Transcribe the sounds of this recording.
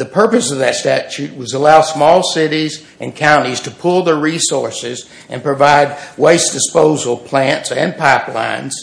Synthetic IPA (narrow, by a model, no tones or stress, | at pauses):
ðɨpʰɜ˞pɨsʌvðɨtstæt͡ʃʉt̚wʌzəlaʊd̥smɔlˠsɪɾiz | ʔɨ̃nkʰãʊ̃ñiz̥tʰɨpʰʊlˠðə˞ɹisɔɹsɪz | ɨ̰̃npɹ̥ɨvaɪd̚weɪsd̥ɨspoʊzl̩ˠpʰl̥æ̃ntsɨ̃npʰaɪplã̰ɪ̃nz̥